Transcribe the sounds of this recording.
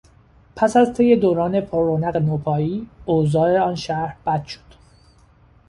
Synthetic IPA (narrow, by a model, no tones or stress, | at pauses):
pʰæsæzt̪ʰe̞je̞d̪oːɾɒːne̞pʰoɾːonæɣenoːpʰɒːiːoːzɒːeɒːnʃæɾb̥æd̪̥ʃo̥d̪̥